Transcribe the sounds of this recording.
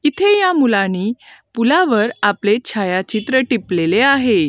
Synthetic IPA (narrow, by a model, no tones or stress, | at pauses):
it̪ʰejamulãniːpulaʋəɾaplet͡ɕʰajat͡ɕit̪ɾəʈipleleaɦe